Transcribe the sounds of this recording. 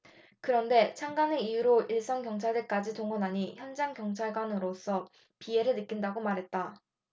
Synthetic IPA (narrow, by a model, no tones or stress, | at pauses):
kɯɾʌnde̞t͡ɕʰaŋɡaneijuɾoiɭs͈ʌŋkjʌŋt͡ɕʰaɭdek͈ad͡ʑitoŋɡʌnɦaɲiçjʌnd͡ʑaŋkjʌŋt͡ɕʰaɭɡwanɯɾos͈ʌ | pie̞ɾɯɭnɯk͈indaɡomaɾɦet̚t͈a